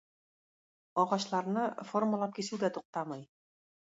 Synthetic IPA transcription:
ɒʁɑɕlˠɑɾnɤformalˠɑp̚kisɘwd̪æt̪uq̚t̪ɑmɑj

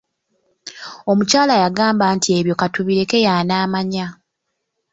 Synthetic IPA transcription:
o̞mucaːlajaɡaːmbaːntʰie̞βjo̞katuβiɾe̞ke̞jaːnaːmaɲa

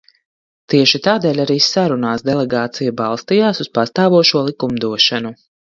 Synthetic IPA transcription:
t̪iɛʃit̪aːd̪ɛːlʲaɾiːsaɾunaːsd̪ɛlˠɛɡaːt̪sijabalˠst̪ijaːsuspast̪aːvuɔʃuɔlˠikumd̪uɔʃanu

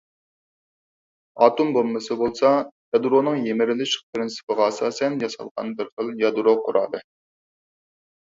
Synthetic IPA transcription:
ɑːt̪umbolˠmːɨsɨbolˠsɑjɑd̪uɾonɨŋjemɪɾɪlɪʃpɾɪnsɨ̥pəʁɑːsɑːsɛnjɑsɑ̰lˠʁɑ̰nbɪɾχəlˠjɑd̪uɾoqʰʊɾʔɑ̰ːd̪ɨ

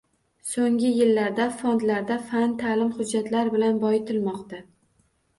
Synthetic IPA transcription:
soŋɡʲɪjɪlːaɾd̪afond̪laɾd̪afant̪ʰalɪmhʊd͡ʒːat̪laɾbɪlanbɒjt̪ʰɪlmɒqt̪a

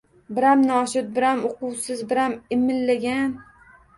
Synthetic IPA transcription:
bɪɾamnɒʃʊt̪̚bɪɾamoqʊwsɪzbɪɾamɪmːɪllaɡʲan

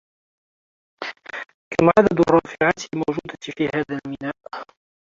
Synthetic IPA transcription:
kamʕad̪ad̪rˤːɑːfɪʕat̪mowʒuːd̪afiːhaːðalmɪnaːʔ

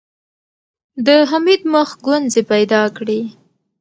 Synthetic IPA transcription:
d̪əɦamid̪məxɡwanzepajd̪ɑkɽi

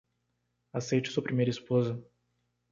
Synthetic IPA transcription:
asejt͡ʃɪ̥suɐpɾimejɾɐispozɐ

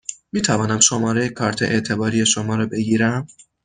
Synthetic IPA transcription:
miːt̪ʰævɒːnæmʃomɒːɾejekʰɒːɾt̪ʰḛʔḛʔt̪ʰe̞bɒːɾijeʃomɒːɾɒːbe̞ɡiːɾæm

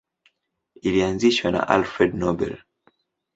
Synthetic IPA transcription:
ilianziʃwana̰ʔalfɾɛdnɔbɛ̰l

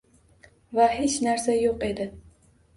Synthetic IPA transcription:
vahe̞t͡ʃnaɾsajoqe̞d̪ɪ

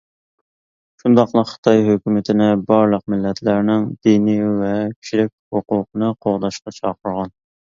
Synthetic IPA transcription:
ʃund̪ɑqlˠəqχə̥t̪ʰɑjɦøkʲymɪt̪ʰɪnɪbɑɾlˠəq̚mɪlːɛt̪ʰlæɾnɪŋd̪̥inivɛkʲʰy̥t͡ʃʰilɪk̚ʲhoqʊːqʰənɨqʰoʁd̪ɑʃqɑt͡ʃʰɑːqʰəɾʁɑn

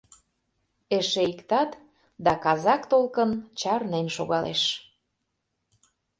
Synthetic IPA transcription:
eʃeikt̪ɑt̪ | d̪ɑkɑzɑkt̪olkənt͡ɕɑrnenʃoɣɑlḛʃ

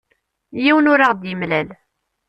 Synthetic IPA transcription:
jiwənʊɾaʁd̪jəmlæl

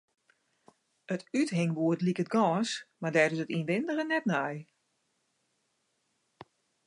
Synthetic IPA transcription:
ətythɪŋʋuətlikət̚ɡɔːsmardɛːɾɪsətinʋɪndəɣənɛtnɛj

